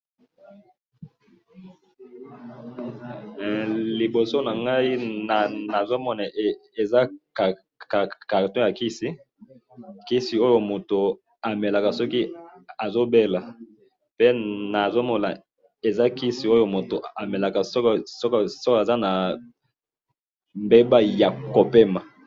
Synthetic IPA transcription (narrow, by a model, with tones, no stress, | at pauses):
li˨bo˨so˦na˨ŋɡa˦i˦na˨na˨zo˦mɔ˦na˨e˨za˦˨ | kka˨ʁtɔ̃˦ja˨ki˦si˦ | ki˦si˨o˦jo˦mo˨to˨ | a˨mɛ˨la˨ka˨sɔ˦ki˦a˨zo˦be˦la˨ | pe˦na˨zo˦mɔ˨na̰˨ | e˨za˦ki˦si˨o˦jo˦mo˨to˨a˨mɛ˨la˨ka˨sɔ˦ksɔ˦ksɔ˦ka˨za˦na˨ | mbe˦ba˦ja˨ko˨pe˦ma˨